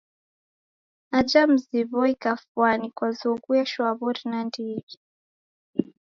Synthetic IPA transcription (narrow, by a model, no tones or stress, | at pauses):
ad͡ʒam̩ziβɔikafwanikwazuɡuaʃwaβɔɾinandiβi